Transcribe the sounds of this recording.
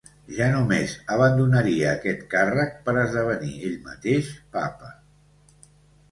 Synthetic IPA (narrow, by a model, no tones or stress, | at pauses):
ʒanumezəβənd̪unəɾiəːkɛt̪karək̚pəɾəzðəβ̞ənieʎmə̰t̪eʃpa̰pə